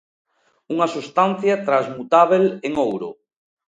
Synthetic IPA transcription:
uŋasust̪anθjat̪ɾazmut̪aβ̞eleŋowɾʊ̰

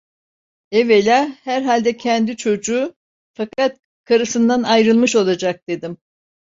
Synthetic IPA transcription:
ɛvelʲahæɾɦalʲd̪ɛcʰɛnd̪it͡ʃʰo̞d͡ʒuː | fakʰat̪̚ | kʰaɾɯsɯnd̪anajɾɯlˠmɯʃo̞lˠad͡ʒak̚d̪̥e̞d̪im

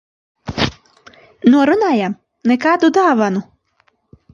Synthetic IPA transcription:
nuɔɾunaːjam | nɛkaːd̪ud̪aːvanu

